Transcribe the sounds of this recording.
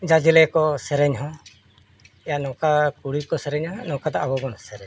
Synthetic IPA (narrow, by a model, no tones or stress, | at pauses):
d͡ʒad͡ʒɛlɛkɔsɛɾɛɲɦɔ̃ | ɛjanɔ̃kakuɽikɔsɛɾɛɲanɔ̃kad̪aʔabɔbɔnsɛɾɛɲ